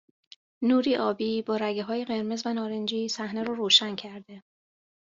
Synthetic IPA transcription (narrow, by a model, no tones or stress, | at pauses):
nuːɾiːʔɒːbiːbɒːɾæɟeɦɒːjeɣe̞ɾmezvænɒːɾend͡ʒiːsæhneɾɔːɾoːʃæncʰæɾd̪e̞